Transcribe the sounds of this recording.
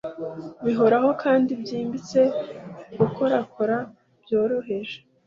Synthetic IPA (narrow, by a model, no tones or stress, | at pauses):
βiɦo̞ɾaɦo̞kʰaːndibjiːmbit͡se̞ɡuko̞ɾakʰoɾa | b̥joːɾo̞ɦe̞ʒe